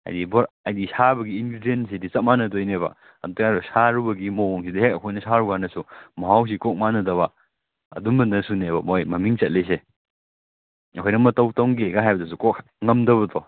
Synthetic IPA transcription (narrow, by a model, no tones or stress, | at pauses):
ɐ̰jdibɔɾ | ɐjdisabɐɡiːnɡɾidiensidisɐt̚manɐtojnebɐ̰ | ɐdajɾɔsaɾubɐɡimoŋsidɐɦek̚ɐkʰojnɐsaɾuɡanɐsumɐɦaws̬ikɔk̚manɐdɐβɐ | ɐ̰dunbɐnɐsunebɐmojmɐmiŋt͡ʃɐt̚lis̬e | ɐkʰojnɐmɐtɐwtɐwɡeɡaɦajbɐdɐs̬ukɔk̚ | ŋɐmdɐbɐtɔ